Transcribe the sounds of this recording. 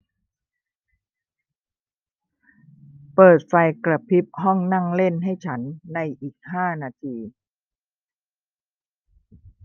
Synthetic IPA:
pɤː˨˩t̪̚fa˧jkɾa˧pʰi˦˥p̚hɔ˥˩ŋna˥˩ŋle˥˩nɦa˥˩jt͡ɕʰa˦˥nːa˧jʔiː˨˩k̚haː˥˩naː˧t̪ʰiː˧

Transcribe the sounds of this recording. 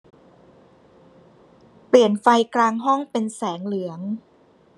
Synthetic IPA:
pli˨˩ənfa˧jklaː˧ŋɦɔ˥˩ŋpe˧nsɛː˩˦ŋlɯ˩˦əŋ

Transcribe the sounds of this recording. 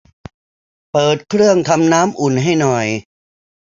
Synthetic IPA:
pɤː˨˩t̪̚kʰɾɯ˥˩əŋt̪ʰa˧mnaː˦˥mʔu˨˩nɦa˥˩jnɔ˨˩j

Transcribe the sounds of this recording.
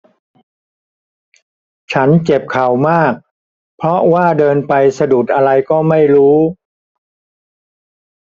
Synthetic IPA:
t͡ɕʰa˦˥nt͡ɕe˨˩p̚kʰa˨˩wmaː˥˩k̚ | pʰɾɔ˦˥waː˥˩dɤː˧npa˧jsa˧du˨˩t̪̚ʔa˧ɾa˧jkɔː˥˩ma˥˩jɾuː˦˥

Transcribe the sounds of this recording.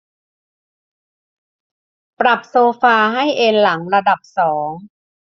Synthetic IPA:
pɾa˨˩p̚soː˧faː˧ɦa˥˩jʔe˧nla˩˦ŋɾa˧da˨˩p̚sɔː˩˦ŋ

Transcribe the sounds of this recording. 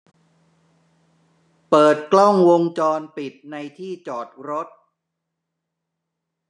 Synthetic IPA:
pɤː˨˩t̪̚klɔ˥˩ŋwo˧ŋt͡ɕɔː˧npi˨˩t̪̚na˧jt̪ʰiː˥˩t͡ɕɔː˨˩t̪̚ɾo˦˥t̪̚

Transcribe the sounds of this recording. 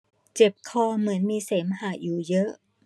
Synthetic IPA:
t͡ɕe˨˩p̚kʰɔː˧mɯ˩˦ənmiː˧seː˩˦mhaː˨˩˦juː˨˩jɤ˦˥ʔ

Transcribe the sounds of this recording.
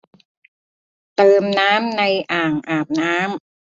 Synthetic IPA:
t̪ɤː˧mnaː˦˥mna˧jʔaː˨˩ŋʔaː˨˩p̚naː˦˥m

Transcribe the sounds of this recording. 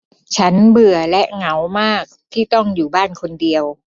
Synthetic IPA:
t͡ɕʰa˦˥nbɯ˨˩ɐlɛ˦˥ʔŋa˦˥wmaː˥˩k̚t̪ʰiː˥˩t̪ɔ˥˩ŋjuː˨˩baː˥˩nkʰo˧ndi˧əw

